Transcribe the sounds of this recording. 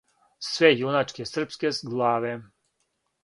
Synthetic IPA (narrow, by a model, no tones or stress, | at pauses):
sʋejunat͡ʃkesr̩pskesɡlˠaːʋe